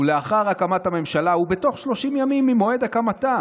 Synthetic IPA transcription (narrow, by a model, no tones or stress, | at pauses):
uleaχaʁakamathame̞mʃalaube̞t̪o̞χʃlo̞ʃimjamimːimo̞e̞d̪akamat̪a